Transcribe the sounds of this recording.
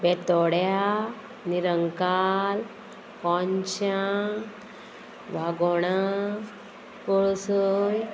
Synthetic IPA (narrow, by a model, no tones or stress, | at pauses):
bɛt̪ɔɽja | niɾəŋkal | kɔɲt͡ɕaŋ | ʋaɡɔɽ̃a | kɔɭsəj